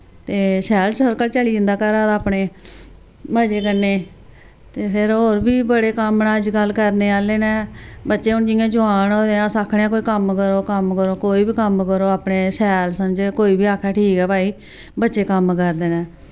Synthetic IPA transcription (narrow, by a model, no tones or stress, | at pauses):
t̪eːsɛːlsəɾkəlt͡ʃəliːd͡ʒɪnd̪aːkəɾaːd̪ːpneː | məd͡ʒeːkənːeː | t̪eːpʰɪɾɦoːɾbiːbəɽeːkəmnaːəd͡ʒɡəlkəɾneːaːleːnɛ̃ːbətːʃeːʊnd͡ʒɪːãːd͡ʒʊaːnoːd̪eːnãːsaːkʰɳãːkoːiːkəmkəɾoːkəmkəɾoːkoːiːbiːkəmkəɾoːaːpneːsɛːlsəmd͡ʒeːkoːiːbiːaːkʰːɛːʈʰiːkɛːbaːiː | bətːʃeːkəmkəɾd̪eːnɛ̃ː